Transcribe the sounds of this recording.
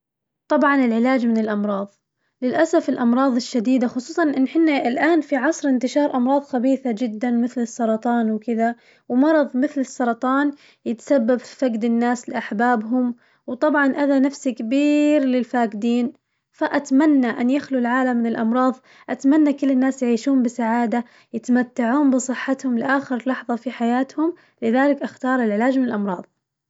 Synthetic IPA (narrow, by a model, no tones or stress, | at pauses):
t̪ˤɑbʕɑnɪlʕɪlaːd͡ʒmɪnɪlʔɑmɾˤɑːðˤ | lɪlʔasafɪlʔɑmɾˤɑːðˤɪʃːad̪iːd̪axʊsˤuːsˤɑnʔɪnːħɪnːaɪlʔaːnfiʕɑsˤɾɪnt̪ɪʃɑːɾˤʔɑmɾˤɑːðˤxabiːθad͡ʒɪd̪ːanmɪθlɨsˤːɑɾˤɑt̪ˤɑːnwkɪða | wmɑɾˤɑðˤmɪθlɨsˤːɑɾˤɑt̪ˤɑːn | jɪt̪ḁsabːabfifaɡd̪ɪnːaːslɪʔaħbaːbɦʊm | wt̪ˤɑbʕɑnʔaðanafsikabiːɾlɪlfaːɡɪd̪iːn | faʔat̪manːaʔanjaxlulʕaːlamːɪnɪlʔɑmɾˤɑːðˤ | ʔat̪manːakɪlːɪnːaːsjʕiːʃuːmbɪsaʕaːd̪a | jɪt̪amat̪ːaʕuːmbɨsˤɨħːat̪hʊmlɪʔaːxɪɾlɑħðˤɑfiħajaːt̪hʊm | lɪðaːlɪkʔaxt̪ɑːɾˤɪlʕɪlaːd͡ʒmɪnɪlʔɑmɾˤɑːðˤ